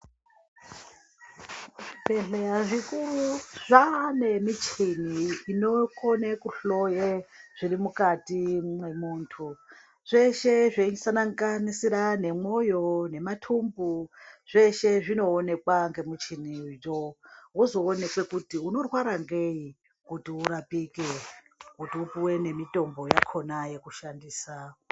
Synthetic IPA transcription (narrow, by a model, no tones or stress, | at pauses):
bʱe̞ɮeɾaʐikuruʐane̞mit͡ʃiniːnokonekuɬojeʐ̥iɾimukatimemuːntʰu | ʐ̥e̞ʃe̞ʐesanaŋɡanisiɾane̞mo̞jo̞ne̞matʰumbuʐ̥e̞ʃe̞ʐino̞ːne̞kwaŋɡe̞mut͡ʃinid͡ʒowuzo̞ːne̞kwe̞kutiuno̞rwaɾaŋɡe̞i | kutiuɾapike | kutiupiwene̞mito̞mbo̞jakʰo̞naje̞kuʃandiːsa